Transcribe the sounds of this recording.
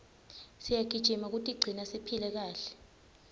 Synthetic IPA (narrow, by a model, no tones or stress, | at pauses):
sijaɡ̥̬ʱid̥ʒ̥ʱimak̬utʼiɡ͡ǀʱinasipʰilɛk̬aːɬɛ̥